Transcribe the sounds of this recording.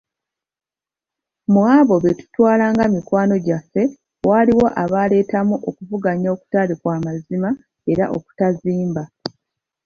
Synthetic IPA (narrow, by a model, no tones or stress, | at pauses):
mwaːβo̞βetu̥twaːlaːŋɡamikwaːno̞ɟafːe̞ | waːliwo̞ʔaβaːle̞ːtamuʔokuvuɡaɲooku̥talikwaːmazima | e̞ɾaʔo̞̰ku̥taziːmba